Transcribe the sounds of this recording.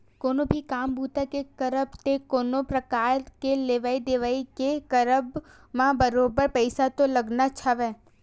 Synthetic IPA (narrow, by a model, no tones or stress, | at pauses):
koːnobʱikaːmbʱuːt̪akekɐɾəbt̪ekoːnopɾɐkaːɾkeleːʋaːid̪eːʋaːikekəɾəb | mãbəɾoːbəɾpəɪsat̪olɐɡnat͡ʃʰaʋɛː